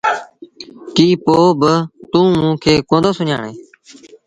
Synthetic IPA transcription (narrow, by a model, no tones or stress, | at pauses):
kiːpoːbət̪ũːmũːkʰeːkõːnd̪oːsʊɲa̰ːɳeː